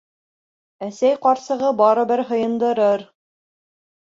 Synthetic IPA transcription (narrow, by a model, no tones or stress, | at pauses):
æsæjqɑɾsɤ̆ʁɤbɑɾɤ̆bɘɾɦɤ̆jɤ̆nd̪ɤ̆ɾɤɾ